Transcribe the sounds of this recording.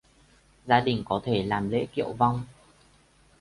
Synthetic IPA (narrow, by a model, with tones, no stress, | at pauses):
zaː˧ɗï˨˩ŋ̟kɔ˨˦t̪ʰe˧˩laː˨˩mlḛ˧˥kḭ˧˨əwva˧wŋ͡m